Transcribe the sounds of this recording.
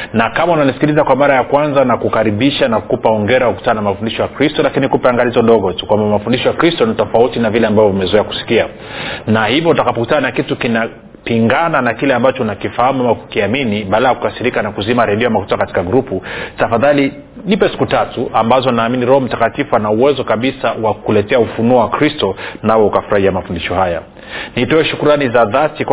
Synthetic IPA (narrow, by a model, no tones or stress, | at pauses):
nakamaunanisi̥kilizakwamaɾajakwanzanakukaɾiɓiʃanakupaɔŋɡɛɾawakuku̥tananamafundiʃɔjakɾistɔlakinikupɛaŋɡalizɔnɗɔɣɔtu̥kwambamafundiʃɔjakɾistɔnitɔfautinavilɛambavjɔumɛzɔɛaku̥si̥kia | nahivɔutakapɔkutananakitukina | piŋɡananakilɛambat͡ʃɔnakifahamuamaku̥kiaminiɓalajaku̥kasiɾikanakuzimaɾɛɗiɔamakutakati̥kaɡɾuputafaðali | nipɛsi̥kutatuʔambazɔnaːminiɾɔhɔm̩takatifuanauwɛzɔkaɓisawakulɛtɛaufunuɔwakɾistɔnawɔukafuɾahiamafundiʃɔhaja | nitɔɛʃukuɾanizaðatik